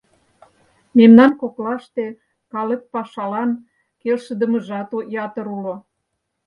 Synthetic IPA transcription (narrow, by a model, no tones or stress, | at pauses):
memnɑnkoklɑʃt̪e | kɑləppɑʃɑlɑn | kelʃə̆d̪ə̆mə̆ʒɑt̪ojɑt̪ə̆ɾulo